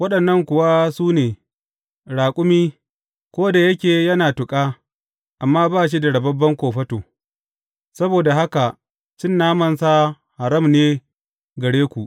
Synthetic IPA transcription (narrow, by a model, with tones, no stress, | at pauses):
wɐ˦ɗɐ˨nːɐ˦ŋkʷʊ˨wa˦suː˦neː˨ | ɽaː˨kʷʼʊ˦miː˦ | kʷoː˦da˨jɐ˦kʲeː˨jɐ˦naː˨tʊ˨kʼaː˦ | ʔa˨mːaː˦baː˦ʃ̬i˦da˨ɽɐ˨bɐ˦bːɐ˦ŋkʷoː˨ɸɐ˦toː˨ | sɐ˦boː˨da˨ɦa˦ka˨ | t͡ʃɪ˦nːaː˦mɐ˨nsa˦ | ha˨ɽɐ˦mneː˦ | ɡɐ˨ɽeː˦kʷu˨ʔ